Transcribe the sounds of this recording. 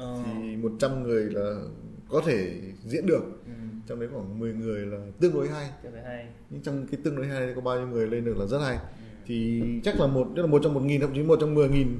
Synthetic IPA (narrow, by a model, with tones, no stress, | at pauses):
t̪ʰi˨˩mo˨˩t̚t͡ɕa˧mŋɨ˨˩əjlaː˨˩kɔ˨˦t̪ʰe˧˩zḭ˧˥ənɗɨ˨˩ək̚t͡ɕɔ˧wŋ͡mɗə˨˦jxwaː˧˩ŋmɨ˨˩əjŋɨ˨˩əjlaː˨˩t̪ɨ̰˧əŋɗo˨˦jɦa˧j | ɲɨ̰˧˥t͡ɕɔ˧ŋ͡mkaː˨˦jt̪ɨ̰˧ŋɗo˨˦jɦaː˧ja˨˩˨kɔ˨˦ɓaː˧ɲi˧wŋɨ˨˩əjle˧nɗɨ˨˩ək̚laː˨˩zə˦˥t̚ha˧j | t̪ʰi˨˩t͡ɕa˦˥k̚laː˨˩mo˨˩t̚n˦˥laː˨˩o˨˩t̚t͡ɕɔ˧ŋ͡mmo˨˩t̚ŋi˨˩nkə̰˧˥wŋ͡mt͡ɕi˨˦nmo˨˩t̚t͡ɕɔ˧ŋ͡mmɨ˨˩əjŋi˨˩n